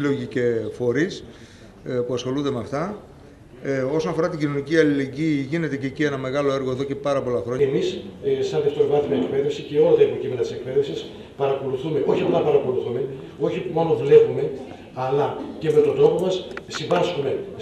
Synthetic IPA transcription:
lo̞ʝicefo̞ɾis | puɐsxo̞lund̪e̞meɐft̪ɐ | o̞so̞nɐfo̞ɾɐt̪iɟino̞niciɐlile̞ɲɟiːʝine̞t̪ececie̞nɐme̞ɣɐlo̞eɾɣo̞e̞ðo̞ce̞pɐɾɐpo̞lɐxɾo̞emissɐnðeft̪o̞ɾɣɐzimeekpe̞ðefsiceo̞lɐt̪ɐeipocime̞nɐt̪ise̞k̚pe̞ðefsis | pɐɾɐko̞luθume̞ʔo̞çimnɐpɐɾɐko̞luθume̞ | o̞çimo̞no̞vle̞vume̞ | ɐlɐcemet̪od̪o̞po̞mɐssivɐskume̞

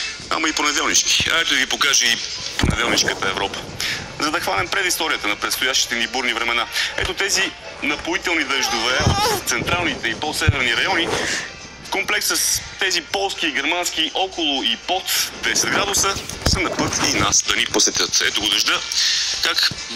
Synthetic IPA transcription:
a̰mɐiponɛd̪ɛlˠnit͡ʃki̥ɐ̰ɛt̪ʊd̪əɡipokaʒɛiponɛ̰d̪ɛlˠnit͡ʃkət̪əɛvɾɔpə̥ | zɐd̪ɐxvanɛmpɾɛd̪ist̪ɔɾijət̪ənɐpɾɛt̪st̪ojaʃt̪i̥t̪ɛnibuɾnivɾɛmɛnaɛ̰t̪ot̪ɛzi | nɐpoit̪ɛlˠnid̪əʒd̪ovɛot̪t̪sɛnt̪ɾalˠnit̪ɛipɔsɛvɛɾniɾɐjɔni | komplɛksəst̪ɛzipɔlˠsk̟iːɡ̟ɛɾmansk̟ʲiʔɔkʊlˠʊipɔt̪d̪ɛsɛd̪ɡɾad̪ʊsəsənɐpɤt̪inasd̪ɐniposɛt̪ʲət̪ɛ̰t̪oɡod̪ɐʒd̪əkak

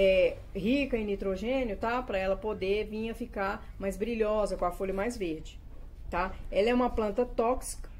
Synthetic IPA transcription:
ɛ | ɦikɐɪ̃nit̪ɾoʒẽnjʊt̪apɾɐɛlɐpod̪evĩɲɐfikaɾ | majzbɾiʎɔzɐkõɐfoʎɐmajzveɾd͡ʒɪ | t̪aɛlɐɛũmɐplɐ̃nt̪ɐt̪ɔksi̥kɐ̥

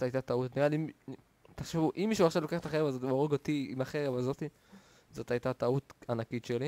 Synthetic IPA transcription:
tajt̪at̪autniʁaliim | t̪aχʃevuʔimːiʃuaχʃavlo̞keχt̪aχeʁevazot̪ioʁeɡot̪iimaχeʁevazo̞t̪i | zot̪ajt̪at̪aut̪anakit̪ʃeli

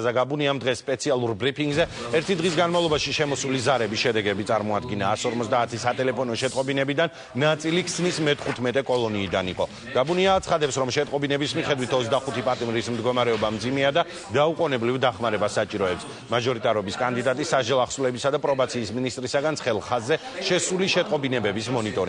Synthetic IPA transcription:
zaɡabuniamd̪ʁɛsːpʼɛt̪sʰialˠuɾbɾipʰiŋɡzɛ | ɛɾt̪ʰid̪ʁis̬ɡanmavlˠɔbaʃiʃɛmɔsulizaɾɛbisʃɛd̪ɛɡɛbit̪sʼaɾmɔad̪̚ɡinaːsɔɾmɔt̪ʰd̪aːt̪ʰisat̪ʼɛlɛpʰɔnɔʃɛt̪ʼqʼɔbinɛbid̪anː | at̪sʼilikʰsnismɛt̪ʰχut̪ʰmɛt̪ʼɛkʼɔlˠɔniːd̪aniqʼɔ | ɡ̥abuniaːt̪sʰχad̪ɛpsɾɔmʃɛt̪ʼqʼɔbinɛbismiχɛd̪wit̪ʰɔt̪sʰd̪aχut̪ʰipʼat̪ʼimɾismd̪ɡɔmaɾɛɔbamd̪zimɛad̪a | d̪̥auqʼɔnɛblivd̪aχmaɾɛbasːat͡ʃʼiɾɔɛps | maʒɔɾit̪ʼaɾɔbiskʼand̪id̪at̪ʼisːaʒd͡ʒɛlˠaχsulɛbisad̪apʼɾɔbat̪sʰiːsminist̪ʼɾisaɡansʰχɛlˠχazːɛ | ʃɛsuliʃɛt̪ʼqʼɔbinɛbɛbismɔnit̪ʼɔɾi

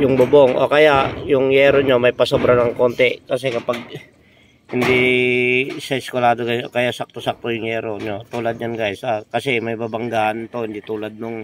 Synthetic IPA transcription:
jʊŋbʊboŋʔo̰kɐjaʔjʊŋjɛɾoɲomɐjpɐsobɾanɐŋkont̪ɛkɐsɛkɐpaɡ̚ | hɪnd̪i | sɐɪskolaːd̪oɡasokɐjaʔsak̚t̪osak̚t̪ojʊŋjɛːɾoɲot̪uːlɐd̪̚ɲanɡajsʔakɐsɛmɐjbabɐŋɡaːʔant̪o̞hɪnd̪it̪uːlɐd̪̚nʊŋ

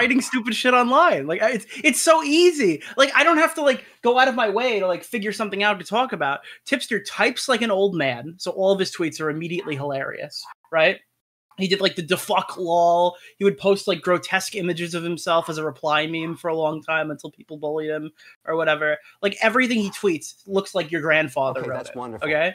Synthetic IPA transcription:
aɪɾɪ̃ŋstʉpɨd̥ʃɪɾɑ̃nlãɪ̃nlaɪkaɨtsɨtsoʊizilaɪkaɪɾõʊ̃nt̚hæftəlaɪk | ɡ̥oʊaʊɾʌvmaɪweɪɾəlaɪkfɪɡjə˞sʌ̃mθɪ̃ŋaʊttɨtʰɔkɨbaʊt̚ʰɪpsjə˞tʰaɪpslaɪkɨ̃noʊlˠd̚mæ̃nsoʊʔɔlˠʌv̥ɨz̥tʰw̥itsə˞ɨmiɾiɨʔˡliɦəlɛɹḭɨ̰sɹaɪt̚ | hidɨdˡlaɪk̚ðɨdɨfʌkʰlɔhiwɨd̚pʰoʊst̚ˡlaɪk̚ɡ̥ɹoʊtʰɛskɪ̃mɨd͡ʒɨzʌv̥hɨ̃msɛlˠfəzəɹəpʰl̥aɪmĩɱfə˞əlɔ̃ŋtʰãɪ̃mə̃ntʰɪlˠpʰipl̩ˠbʊlˠiðɨ̃mʔə˞wʌɾɛvə˞laɪkɛvɹiθɪ̃ŋitʰw̥itslʊkslaɪkjə˞ɡɹæ̃nd̥fɑðə˞ʌ̃oʊkʰeɪ

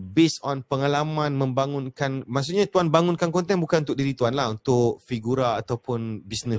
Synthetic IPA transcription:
besɔnpəŋalamãnmə̃mbaŋʊnkanmasuʔɲat̪uanbaŋʊ̃nkankɔnt̪ɛnbukanunt̪ʊk̚diɾit̪uanlaɦunt̪ʊʔfiɡuɾaːt̪awpʊnbisnə̃

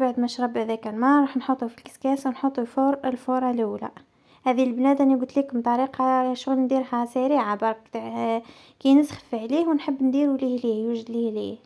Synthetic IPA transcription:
baʕd̪mæʃɾˤɑbhæðækælmɑˤɑːħnħot̪ˤufilkɪ̥skæːswnħot̪ˤufoɾəlfoɾˤɑlulæ̰ | hæːðilblæːd̪ʔæniɡʊt̪liːkʊmt̪ˤɑɾiːqɑʃʊɣlnd̪iːɾhæsæɾiːʕabɑɾˤk̪ | kinəsxlfiʕliːhwnħəbːnd̪iːɾuliːhliːhjuʒd̪lihlḭːh

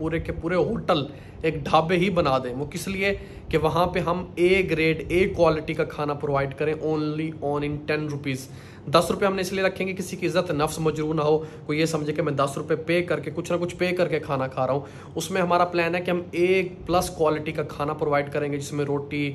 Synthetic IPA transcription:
puːɾekepuːɾeɦoːʈəl | eːkɖʱaːbeɦibɐnaːd̪ẽːʋokɪslie | keʋɐɦãpeɦɐmeːkɾeːɖeːkːwaːlɪʈikakʰaːnapɾoːʋaːɪɖkɐɾẽʔõːnliɔːnɪ̃nʈɛnɾʊpiːz | d̪ɐsɾʊpeɦɐmnẽɪslieɾɐkʰːẽːŋɡekɪsikiɪzːət̪nɐfsmɐd͡ʒɾuːɾnaɦoːkojesɐ̃md͡ʒʱẽkemɛ̃ːd̪ɐsɾʊpepeːkɐɾkekʊt͡ʃʰnɐkʊt͡ʃʰpeːkɐɾkekʰaːnakʰaːɾaɦũː | ʊsmẽɦɐmaːɾaplɛːnɦɛkiɦɐmeːk̚plɐskwaːlɪʈikakʰaːnapɾoːʋaːɪɖkɐɾẽːŋɡed͡ʒɪsmẽɾoːʈi

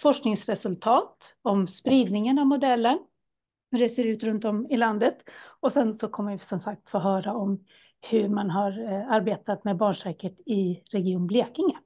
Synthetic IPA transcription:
fɔʂknɪŋsɾɛsɵlt̪ʰɑːt̪ | ɔmspɾiːd̪nɪŋənavmʊd̪ɛlːəɳ | ɵɖɛseːɾʉ̟ːt̪ɾɵnt̪ɔmɪland̪ət̪ɔsɛnsɔkʰɔmːəjsɔmsak̚t̪foːɦœːɾaɔm | hɵmanɦaɾaɾbeːt̪at̪mɛbɑːɳʂɛːkət̪ɪɾɛɡɪuːnbleːkɪŋə

